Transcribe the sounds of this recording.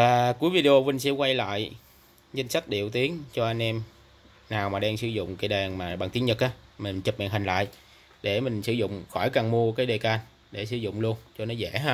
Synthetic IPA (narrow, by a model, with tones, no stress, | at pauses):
vaː˨˩ku˨˦əjvi˧ɗe˧ʔo˧vï˧ŋ̟sɛ̰˧˥kwa˧jla̰ː˧˨j | ɲə˧ŋ̟sa˦˥k̟̚ɗḭ˧˨əwt̪i˨˦ənt͡ɕɔ˧ʔa˧jŋ̟ʔɛ˧m | naː˨˩wmaː˨˩ɗaː˧ŋsɨ˧˩zʊ̰˧˨ŋ͡mkaː˨˦jɗaː˨˩nmaː˨˩ɓaː˨˩ŋt̪i˨˦əŋɲə˨˩k̚ʔaː˨˦mi˨˩n̟t͡ɕə˨˩p̚ma̰ː˧˨˩nɦi˨˩ŋla̰ː˧˨j | ɗe˧˩mï˨˩ŋ̟sɨ˧˩zʊ̰˧˨ŋ͡mxɔ˧˩jkaː˨˩ŋmu˧əkaː˨˦jɗe˨˩kaː˧n | ɗe˧˩sɨ˧˩zʊ̰˧˨ŋ͡mlu˧ənt͡ɕɔ˧nɔ˨˦zɛ̰˧˩ɦaː˧